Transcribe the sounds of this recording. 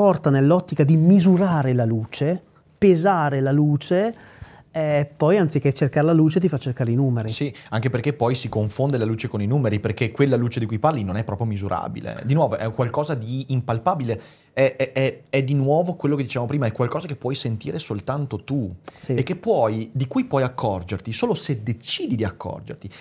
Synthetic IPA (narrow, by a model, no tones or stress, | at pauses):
pɔrt̪anelːɔt̪ːikad̪imizuɾaːɾelaluːt͡ʃe | pezaːɾelaluːt͡ʃe | ɛpːɔjant̪sik̟et͡ʃːerkaɾelaluːt͡ʃet̪̬ifat͡ʃːerkaːɾeinuːmeɾisiaŋkeperkepɔjsikoɱfond̪elaluːt͡ʃekoninuːmeɾiperkekːwelːaluːt͡ʃed̪ikujparlinonɛpːɾɔpɾjomizuɾʔa̰ːbḭlḛd̪inwɔːvoʔɛ̰kwalkɔːzad̪iːmpalpaːbile | ɛɛɛɛd̪inwɔːvokwelːok̬ed̪ːit͡ʃevamopɾiːmaɛkːwalkɔːzakepːwɔjsent̪iːɾʔesolt̪ant̪ot̪usiekːepːwɔjd̪ikujpwɔjakʰːɔrd͡ʒert̪isoːlosed̪et͡ʃiːd̪id̪iakːɔ̰rd͡ʒḛrt̪i